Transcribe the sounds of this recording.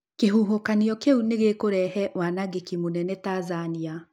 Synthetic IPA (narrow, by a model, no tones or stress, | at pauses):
keɦuɦokaniɔkeuneɣekoɾɛhɛʔwanaɣekimonɛnɛtazania